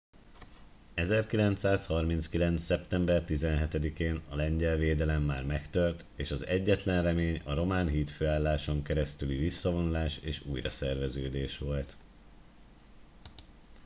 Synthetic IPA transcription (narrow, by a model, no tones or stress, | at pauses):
ɛzɛrkilɛnt̪saːshɒrmintskilɛnt̪sɛpt̪ɛmbɛrt̪izɛnɦɛt̪ɛd̪ikeːnɒlɛɲɟɛlveːd̪ɛlɛmːaːrmɛkt̪ø̞rt̪eːʃɒzɛɟːɛt̪lɛnrɛmeːɲɒɾo̞maːnɦiːt̪føːaːlːaːʃo̞ŋkɛɾɛst̪ylivisːɒvo̞nulaːʃeːʃuːjrɒ̰sɛrvɛzøːd̪eːʃʋo̞lt̪